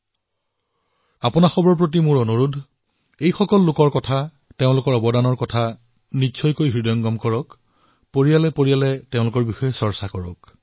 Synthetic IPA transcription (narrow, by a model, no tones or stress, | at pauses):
apʊnaxɔbɔɹp̬ɹot̬imʊɹɔnuɹudʱ | ejxɔkɔlːʊkɔɹkɔtʰa | teʊ̃lʊkɔɹɔbɔdanɔɹkɔtʰa | nisʰɔjkojɦɹidɔjɔŋɡɔmkɔɹɔk | poɹijalɛpoɹijalɛteʊ̃lʊkɔɹbixɔjɛsɔɹsakɔɹɔ̰k